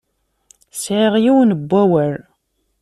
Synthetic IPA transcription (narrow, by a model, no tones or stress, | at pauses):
sʕeʁjiwnəbʷːæwəɾ